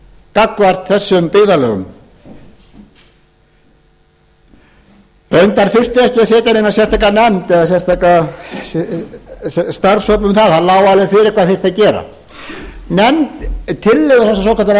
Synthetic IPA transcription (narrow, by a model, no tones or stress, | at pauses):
kakvar̥t̪θɛsːʏmpɪːðalœ̰ɣʏ̰m | pejnt̪aɾ̥θɪr̥t̪ɪɛhcɪɛðsɛːt̪anejnasjɛst̪ʰakːanɛmt̪ɛðasɛ̥st̪ʰaːkːa | st̪aɾsœːp̬lʏmθaðθhalaːwalɛɾfɪɾɪɾkʰaːðθer̥t̪acɛːɾa̰ | nɛmt̪t̪ʰːɪlːɛɣðʏθɛsːasowkʰat̪aɾ